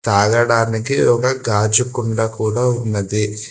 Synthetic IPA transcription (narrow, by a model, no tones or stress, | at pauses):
t̪aːɡɐɽaːnik̬iɔkɐɡaːd͡ʒukuɳɖakuːɽaːunːɐd̪i